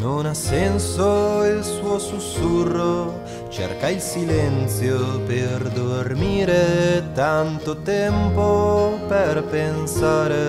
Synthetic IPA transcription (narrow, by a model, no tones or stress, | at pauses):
nonasɛnsoilsuosusuro | t͡ʃḛrkailsilɛnt̪sjoperd̪ormiːɾet̪ant̪ot̪ɛmpopɛrpensaːɾe